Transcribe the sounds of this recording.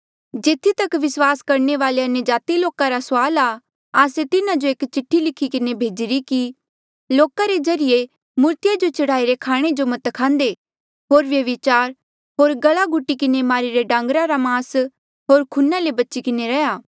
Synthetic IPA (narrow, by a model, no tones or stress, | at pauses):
d͡ʒeːt̪ʰːit̪ɐkʋɪswaːskɐɾɳeʋaːleɐnjəd͡ʒaːt̪iloːkaɾasʊaːla | aːset̪ɪnãd͡ʒoeːkt͡ʃɪʈʰːilɪkʰikɪnebʱeːd͡ʒɪɾiki | loːkaɾed͡ʒɐɾɪje | muːɾt̪ɪjad͡ʒot͡ʃɐɽ̤aːiɾekʰaːɽ̃ed͡ʒomɐt̪kʰãːnd̪e | ɦoːɾʋjɐʋɪt͡ʃaːɾ | ɦoːɾɡɐɭaɡʱʊʈːikɪnemaːɾiɾeɖãːŋɡɾaɾamaːs | ɦoːɾkʰʊnːalebɐːt͡ʃikɪneɾɛjaː